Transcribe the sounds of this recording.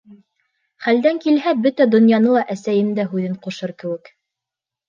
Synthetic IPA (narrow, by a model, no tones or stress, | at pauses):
χæld̪æŋkilɦæbɵt̪æd̪ŏnjɑnɤlˠɑʔæsæjɘmd̪æɦʉðɘɴquʃɤɾkɘ̆wɘk